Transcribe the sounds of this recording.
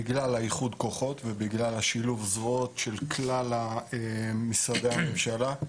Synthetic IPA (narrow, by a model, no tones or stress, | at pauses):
iɡlalajiχud̪ko̞χo̞t̪vebiɡlalaʃiluvzʁot̪ʃelkʰlalaemisadehame̞mʃala